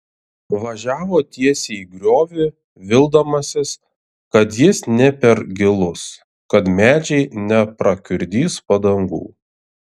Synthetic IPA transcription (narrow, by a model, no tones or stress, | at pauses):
ʋɐʒʲæːʋoːt̪ʲiɛsʲeiɡɾʲoːʋʲɪ | ʋʲɪlˠd̪ɐmɐsʲɪs | kɐt̪jɪsnʲɛpʲɛɾɡʲɪlˠʊs | kɐt̪mʲæːd͡ʒʲɛɪnʲɛpɾɐkʲʊɾʲd̪ʲiːspɐd̪ɐŋɡṵː